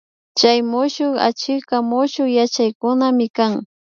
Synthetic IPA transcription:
t͡ʃajmʊʃʊχa̰t͡ʃɪkamʊʃʊjat͡ʃajkʊnamɪkaŋ

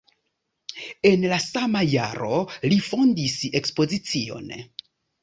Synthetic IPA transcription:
e̞nlasamajaɾolifo̞ndise̞kspo̞zit͡sio̞̰n

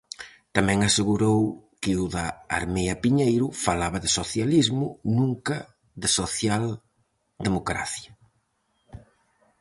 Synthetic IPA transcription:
t̪amɛ̃ŋaseɣuɾowkɪuðɐ̰ːɾmɛjɐpiɲejɾʊfalaβɐðɪsoθjalizmʊnũŋkɐ | d̪ɪsoθjal | d̪emokɾa̰θjɐ

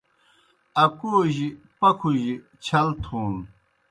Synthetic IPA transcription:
ɐkoːʑi | pɐkʰuʑi | t͡ɕʰɐlt̪ʰuːn

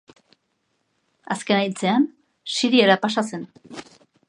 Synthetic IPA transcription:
aske̞najt͡se̞an | siɾieɾapasase̞n

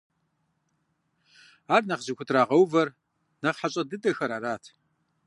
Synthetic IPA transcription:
aːrnɐχzɪkʷʊtʰraːʁɐwvɐr | nɐχħaɕʼɐdɨdʼɐxɐɾaːɾaːtʰ

